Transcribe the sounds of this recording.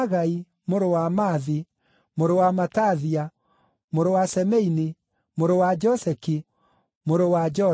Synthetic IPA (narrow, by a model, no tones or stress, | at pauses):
ɣai | moɾowamaði | moɾowamataðia | moɾowasɛmɛini | moɾowad͡ʒɔsɛki | moɾowad͡ʒɔ